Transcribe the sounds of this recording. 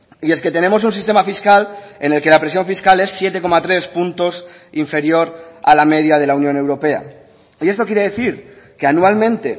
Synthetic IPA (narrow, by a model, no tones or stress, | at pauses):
ie̞ske̞t̪e̞ne̞mo̞s̬unsist̪e̞mafiskale̞ne̞lke̞lapɾes̬jo̞ɱfiskale̞sːje̞t̪e̞ko̞mat̪ɾe̞spunt̪o̞s | iɱfe̞ɾjo̞ɾa̰lame̞ð̞jað̞e̞launjõne̞wɾo̞pe̞a̰ | ie̞st̪o̞kjeɾee̞θiɾkeanualmẽ̞nt̪e̞